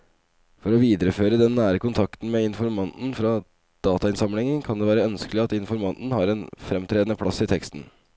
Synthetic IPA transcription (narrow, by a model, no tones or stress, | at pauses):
fɔɾɔʋiːd̪əɾəføːɾəd̪ɛnːæːɾəkʊnt̪ʰɑkt̪n̩meːɪnfɔɾmɑnd̪n̩fɾɑ | d̪̥ɑːt̪ɑɪnsɑmlɪŋənkʰɑnd̪ɛːʋæːɾəœnskəlɪɑt̪ɪnfɔɾmɑnd̪n̩hɑɾɛnfɾɛmt̪ʰɾeːd̪ənəpʰɽɑsːɪt̪ʰɛkst̪n̩